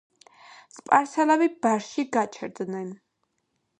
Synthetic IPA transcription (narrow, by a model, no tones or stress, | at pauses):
spʼaɾsɛlabib̥aɾʃiɡat͡ʃʰɛɾd̪nɛn